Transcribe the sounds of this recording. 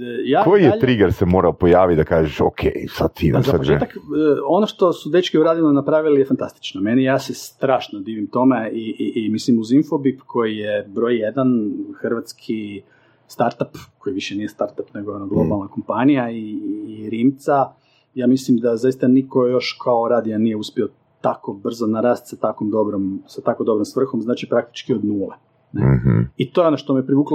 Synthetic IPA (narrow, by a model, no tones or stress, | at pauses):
jaːkojijet̪ɾiɡeɾsemo̞ːɾaopojaːʋit̪d̪akaːʒeʃo̰kʰejsa̰d̪̚t̪id̪azaaoḛt̪akːo̞noʃt̪o̞sud̪et͡ʃkiuɾaːd̪inonapɾaʋilijefant̪a̰st̪i̥t͡ʃnomenijaːsest̪ɾaːʃnod̪iːʋimt̪o̞meiːmislimuzinfo̞bipkʰo̞jijebɾo̞jjed̪anxr̩ʋat̪skʰi | st̪aɾt̪apko̞jʋiʃenije̞st̪aɾt̪apne̞ɡojeonaɡlˠo̞balˠnako̞mpanijaiːɾiːmt̪sa | jaːmislimd̪azajist̪aniko̞jo̞ʃkʰaoɾaːd̪ijanije̞uspio̞ | t̪ako̞br̩zonaɾaːst̪sat̪akomd̪o̞bɾomsat̪akod̪o̞bɾomsʋr̩xomznaːt͡ʃipɾak̚t̪i̥t͡ʃkio̞d̪nuːle | neit̪o̞ːjeo̞noʃt̪omiepɾiʋuːklo